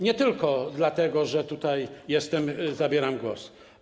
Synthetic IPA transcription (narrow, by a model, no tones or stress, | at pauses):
ɲɛt̪ɘlkɔd̪lat̪ɛɡɔʐɛt̪ut̪ajjɛst̪ɛmzabʲjɛɾamɡwɔ̰s